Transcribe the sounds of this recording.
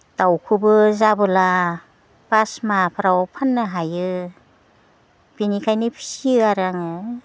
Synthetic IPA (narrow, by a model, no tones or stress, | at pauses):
d̥awkʰubɯzabɯla | b̥asmapʰaɾawpʰanːɯɦajɯ | b̥inikʰajnɯpʰi̥siɯaɾaŋɯ